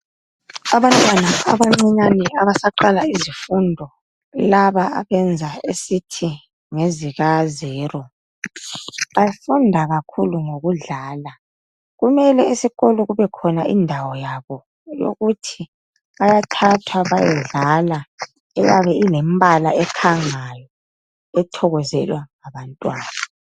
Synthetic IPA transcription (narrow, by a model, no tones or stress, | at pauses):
aβantʼwanaaβaŋ͡ǀɛɲanɛaβasaǃalaizifundʱɔ | laβaa̰βɛnd͡zʱaesitʰi | ŋeziɣazɛːrɔ | βajafundʱaɣakʰuluŋoɣuɮaːla | ɣumɛlɛisiɣɔlɔɣuβɛkʰɔnaʔḭndʱawɔjaβɔ | jo̰ɣutʰi | βajatʰatʰwaβajɛɮala | ɛjaβɛilɛmbʱalaɛkʰaŋajɔ | ɛtʰɔɣɔzɛlwaŋaβantʼwaːna